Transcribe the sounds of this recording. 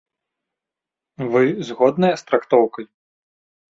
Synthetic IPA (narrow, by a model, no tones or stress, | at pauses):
vɨzɣɔd̪nɐjɐst̪ɾakt̪ɔwkɐj